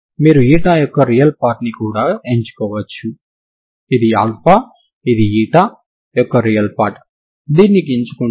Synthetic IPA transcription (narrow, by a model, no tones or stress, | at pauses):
miːɾuiːʈaːjɔkːɐɾijɐlpaːɾʈnikuːɽaːeɲt͡ʃu̥kɔːʋɐt͡ʃːu | id̪ia̰ːlpaː | id̪iiːʈaː | jɔkːɐɾijɐlpaːɾʈ | d̪iːnːik̬iiɲt͡ʃu̥ku